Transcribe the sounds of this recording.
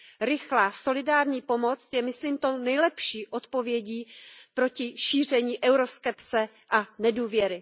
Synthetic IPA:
ɾɪxlaːso̞lɪdaːɾɲiːpo̞mo̞t͡sjɛmɪsliːmt̪o̞nɛjlɛpʃiːʔo̞t̪po̞vjɛɟiːpɾo̞cɪʃiːr̝ɛɲiːʔɛwɾo̞skɛpt͡sɛ | ʔanɛduːvjɛɾɪ

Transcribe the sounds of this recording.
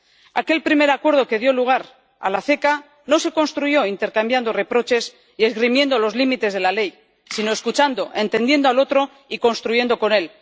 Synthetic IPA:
ake̞lpɾime̞ɾakwe̞ɾð̞o̞ke̞ð̞jo̞luɣ̞aɾ | a̰laθe̞ka | no̞se̞ko̞nst̪ɾuʝo̞int̪e̞ɾkambjand̪o̞re̞pɾo̞t͡ʃe̞s | ie̞zɣɾimje̞nd̪o̞lo̞zlimit̪e̞zðe̞lale̞j | sino̞eskut͡ʃand̪o̞ʔe̞nt̪ẽ̞nd̪je̞nd̪oalo̞t̪ɾo̞ | iko̞nst̪ɾuʝe̞nd̪o̞ko̞ne̞l

